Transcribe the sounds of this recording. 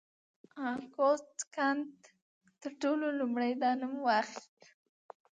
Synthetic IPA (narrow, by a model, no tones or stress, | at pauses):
ɑkot̪kant̪ | t̪əɾʈololʊmɽajd̪ɑnʊmwaxk